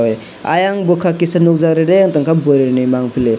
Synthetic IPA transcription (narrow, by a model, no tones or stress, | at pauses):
wj | a̰jaŋbɯkʰakisanuk̚zaɾeɾeaŋtaŋkʰabɔɾeɾnɯjmaŋpʰile